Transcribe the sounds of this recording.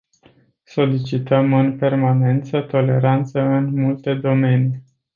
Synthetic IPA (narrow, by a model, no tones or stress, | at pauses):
so̞lit͡ʃit̪əmɨnpe̞rmane̞nt̪sət̪o̞le̞ɾant̪səɨnmult̪e̞d̪o̞me̞ni